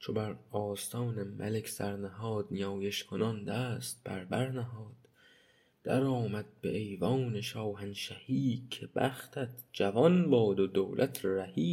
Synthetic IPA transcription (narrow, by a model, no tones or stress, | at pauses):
t͡ʃʰobæɾɒːst̪ʰɒːnemʔæ̰lekʰsæɾnæhɒːd̪̥nijɒːjeʃkʰonɒnd̪æːst̪̚b̥æ̰ɾbæɾnæɦɒːd̪̥ː | æɾɒːmæd̪̚beʔejvɒːneʃɒːwhænʃæhiːkʰebæ̰xt̪ʰæt̪ʰd͡ʒævɒnbɒːd̪od̪owlʔæt̪ʰɾæhiː